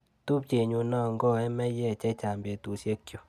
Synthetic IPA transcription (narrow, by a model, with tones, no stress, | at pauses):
tu˦p̚t͡ʃe˨ɲu˧nɔ˦˨ŋ˦ɡɔ˦˨ɛ˦mɛ˦jɛ˦˨t͡ʃɛ˦t͡ʃa˨mbe˨tu˨sje˦kːjo˨